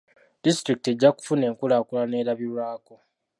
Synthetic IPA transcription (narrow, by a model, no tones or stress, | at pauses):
d̥istɾiki̥te̞ɟːaku̥fune̞ːŋkulaːkulane̞ːɾaβilwaːko̞